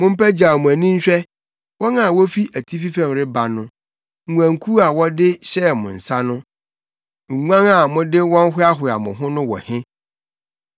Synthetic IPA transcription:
mʊ̃˦m̩˦pʰɛ˦d͡ʑa˨mʊ̃˨æ˨nĩ˦ɲ̩˦ɕᶣɛ˦ | wɔ̃˦na˨wɔ˦fi˦ʔæ˨tʰi˦fi˦fɛ̃˨mɾɪ˦ba˨nʊ̃˦ | ŋ̩˨ŋʷ˨ã˨ŋ̩˨kʰu˦a˨wɔ˦dɪ˦ɕɛ˦˨mʊ̰̃˨n̩˨sa˦nʊ̃˦ | ŋ̩˨ŋʷã˦ŋa˨mʊ̃˦dɪ˦wɔ̃˦n̩˦ɦʊ˦a˦ɦʊ˨a̰˨mʊ̰̃˨ɦʊ̃˦nʊ̃˦wɔ̰˨hɪ̃˦

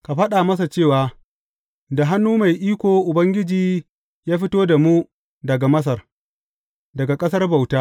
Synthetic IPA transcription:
ka˨ɸɐ˦ɗa˨mɐ˦s̬a˨t͡ʃeː˦˨waː˦ | da˨ɦa˦nːuː˦ma˨jʔiː˦kʷoː˨ʔʊ˨bɐ˦ŋɡʲɪ˦d͡ʒiː˨ | jaː˦ɸɪ˦toː˦da˨mu˦ | dɐ˨ɡa˨mɐ˦s̬ɐ˨r | dɐ˨ɡa˨kʼɐ˦sɐ˦rba˨wtaː˦

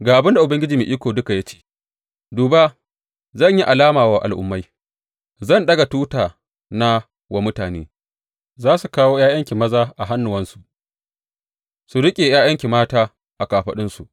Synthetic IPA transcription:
ɡaː˨ʔa˨bɪ˦nda˨ʔʊ˨bɐ˦ŋɡʲɪ˦d͡ʒiː˨mi˨ʔiː˦kʷoː˨dʊ˦ka˨ja˦t͡ʃe̥ː˦ | duː˨ba˦ | zɐ˦˨ɲji˦ʔa˨laː˦maː˨waː˦ʔa̰˨lʔʊ̰˨mːa˦j | zɐ˦˨nɗɐ˦ɡa˨tuː˦taː˨ | na˦ | wa˨mʊ˦taː˨nḛː˦ | zaː˦su˨kaː˦woː˦jaː˦jɐ˦ŋkʲi˨mɐ˦zaː˦ʔa˨ɦa˦nːʊ˨wɐ˦nsu˨ʔ | su˨ɽɪ˦kʲʼeː˨jaː˦jɐ˦ŋkʲi˨maː˦taː˦ | ʔa˨kaː˨ɸɐ˨ɗɪ˦nsu˨ʔ

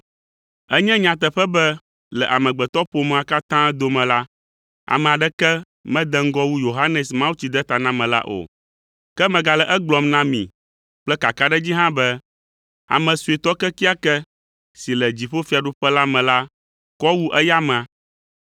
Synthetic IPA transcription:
ɛ˦ɲɛ̃˦ɲã˨t̪ɛ˨ɸɛ˦bɛ˦ | lɛ˨ʔa˨mɛ̃˨ɡ͡bɛ˨t̪ɔ˦ɸo˨m̃˨a˨ka˦t̪ã˦d̪o˨mɛ̃˨la˦ | a̰˨mɛ̃˨a˨ɖɛ˦kɛ˦ | mɛ̃˦d̪ɛ˦ŋ̩˦ɡɔ˦wu˦jo˨ɦa˦nɛ˨smã˦wu˦t͡ɕi˨d̪ɛ˦t̪a˨nã˦mɛ̃˨la̰˦ʔo̰˨ | kɛ˦mɛ̃˨ɡa˨lɛ˨ʔɛ˦ɡ͡blɔ˨mnã˦mḭ̃˨ | k͡plɛ˦ka˨ka˦ɖɛ˦d͡ʑi˦ɦã˦bɛ˦ | a̰˨mɛ̃˨su˨i˨t̪ɔ˦kɛ˦ki˦a˦kɛ˦ | si˨lɛ˨d͡ʑi˨ɸo˦fi˦a˨ɖu˦ɸɛ˦la˦mɛ̃˨la˦ | kɔ˦wu˦ʔɛ˦ja˦mɛ̃˨ã˨

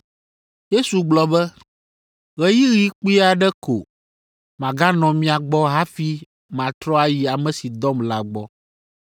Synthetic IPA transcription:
je˦su˨ɡ͡blɔ˨bɛ˦ | ɣɛ˦ji˦ɣi˦k͡pi˦a˨ɖɛ˦ko˨ | mã˨ɡa˦nɔ̃˨mĩ˦a˨ɡ͡bɔ˦ɦa˦fi˦ | mã˨t̪ɾɔ˦a˦ji˨a˨mɛ̃˨si˨d̪ɔ˦mla˦ɡ͡bɔ˦

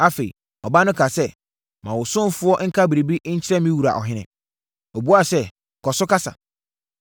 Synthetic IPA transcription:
a˦fe˨ḭ˨ | ɔ˨ba˦nʊ̃˦kʰa˨sɛ˦ | mã˨wʊ˨sʊ̃˦fʊ˦ɔ˦ŋ̩˦kʰa˦bi˨ɾe˨bi˦ɲ̩˦t͡ɕʰɪ˦ɾɛ̃˦mĩ˦wu˨ɾa̰˨ʔɔ̰˨ɦɪ̃˦nɪ̰̃˨ | o˨bu˦a˦sɛ˦ | kʰɔ˨sʊ˦ka˦sa̰˨

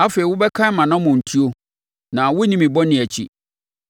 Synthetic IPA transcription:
a˦fe˨i˨wʊ˦bɛ˦kʰã˦mã˨nã˦mʊ̃˨n̩˨tʰi˦o˦ | nã˨wʊ˦nĩ˦mĩ˨bɔ˦nɪ̃˨æ˨t͡ɕʰḭ˨

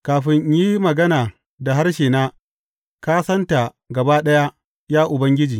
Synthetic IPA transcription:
kaː˨ɸɪ˦ɲjiː˦mɐ˨ɡɐ˦naː˨ | da˨ɦa˦rʃeː˨naː˦ | kaː˦sɐ˦nta˨ | ɡɐ˨baː˦ɗɐ˦ja˦ | jaː˦ʔʊ˨bɐ˦ŋɡʲɪ˦d͡ʒiː˨

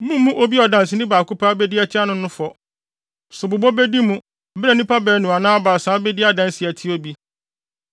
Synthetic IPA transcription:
mũ˦mːũ˦ʔo˦bi˦ɔ˨dã˨n˨sɪ˨nɪ̃˦baː˨kʊ˦pʰa˦bɛ˦di˦a˦tʰɪ˦a˦nʊ̃˦nʊ̃˦fɔ˨ | sʊ˨bʊ˨bɔ˦bɛ˦di˦mũ˦˨ | bɾɛ˨nĩ˦pʰa˦bɛ˨˦nʊ̃˨a˨nãː˦baː˨sãː˨˦bɛ˦di˦a˦dã˦n˦sɪ˨æ˨tʰi˦o˦bi˦

